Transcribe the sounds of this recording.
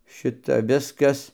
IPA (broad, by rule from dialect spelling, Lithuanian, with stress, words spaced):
ˈʃʲɪtɐ ˈʋʲɪskɐs